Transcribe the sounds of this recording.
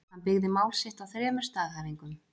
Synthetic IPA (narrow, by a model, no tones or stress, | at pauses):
hanpɪɣðɪmaːwlsɪht̪awθɾjɛːmɛɾ̥st̪aːɣhaɾiŋkʏm